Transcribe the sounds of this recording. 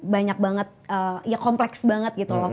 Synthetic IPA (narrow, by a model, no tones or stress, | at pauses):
baɲak̚baŋət̪̚əjakɔmplɛksbaŋət̪̚ɡit̪ulɔ